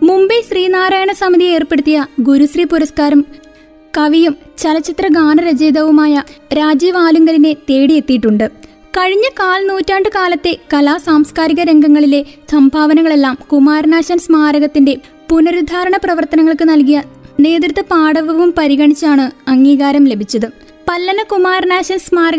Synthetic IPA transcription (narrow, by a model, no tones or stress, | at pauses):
mumbɐɕriːnaːɾaːjɐɳɐsɐmiðie̞ːrpe̞ɽut̪ːijɐɡuɾuɕriːpuɾɐskaːɾɐm | kɐʋijum | t͡ɕɐlɐt͡ɕːit̪rɐɡaːnɐɾɐd͡ʑeːd̪ɐʋumaːjɐɾaːd͡ʑiːʋaːluŋɡɐline̞t̪e̞ːɽije̞t̪ːijʈːuɳɖɨ | kɐɻiɲːɐkaːlnuːtːaːɳɖɨkaːlɐt̪ːe̞kɐlaːsaːmskaːɾiɣɐɾe̞ŋɡɐŋːɐɭile̞sɐmbʱaːʋɐnɐŋːɐɭe̞lːaːmkumaːrnaːɕɐnsmaːɾɐɣɐt̪ːinde̞ | punɐɾud̪ʱaːɾɐɳɐprɐʋɐrt̪ɐnɐŋːɐɭkɨnɐlkijɐne̞ːd̪rɨt̪ːɐpaːɽɐʋɐʋumpɐɾiɣɐɳit͡ɕːaːɳɨɐŋːiːɣaːɾɐmle̞bʱit͡ɕːɐðɨ | pɐlːɐnɐkumaːrnaːɕɐnsmaːɾɐɣ